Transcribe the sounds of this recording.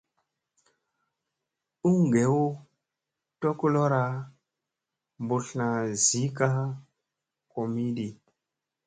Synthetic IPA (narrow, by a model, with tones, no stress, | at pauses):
u˦ŋ˨ɡe˨˦wu˦ | to˦ku˦lo˦ɾa˨ | mbu˨ɬna˨zi˦ka˦ | ko˨mi˦ɗi˨